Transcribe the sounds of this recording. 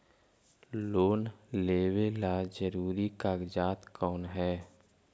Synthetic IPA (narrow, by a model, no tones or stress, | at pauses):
loːnleːwelad͡ʒəɾuːɾikaːɡd͡ʒaːt̪kɔːnɦɛː